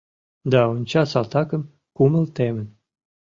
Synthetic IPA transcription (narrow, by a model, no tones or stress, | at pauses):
d̪ɑonʲt͡ɕɑsɑlt̪ɑkə̆m | kuməlt̪emən